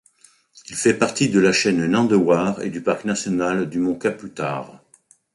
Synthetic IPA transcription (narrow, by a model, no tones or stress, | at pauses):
ilfɛpaʁt̪id̪əlaʃɛnnɑ̃d̪əwaʁḛd̪ypaʁknasjɔnald̪ymɔ̃kaplyt̪a̰ːʁ